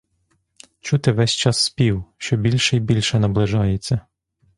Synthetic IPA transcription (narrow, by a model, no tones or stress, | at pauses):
t͡ʃut̪ɪʋɛsʲt͡ʃɑsːpʲiwʃt͡ʃɔbʲilʲʃɛibʲilʲʃɛnɐblˠɪʒɑjet͡sʲːɐ